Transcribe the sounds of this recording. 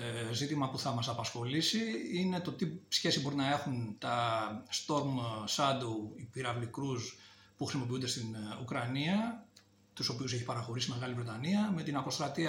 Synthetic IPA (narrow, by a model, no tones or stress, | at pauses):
zit̪imɐpuθɐmɐsɐpɐsxo̞lisiine̞t̪o̞t̪isçe̞sibo̞ɾinɐe̞xunt̪ɐst̪o̞ɾmsɐd̪uipiɾɐvlikɾus | puxɾisimo̞p̬iund̪e̞st̪inukɾɐniɐ | t̪uso̞piuse̞çi̥pɐɾɐxo̞ɾisime̞ɣɐlivɾe̞t̪ɐniɐme̞t̪inɐko̞st̪ɾɐt̪iɐ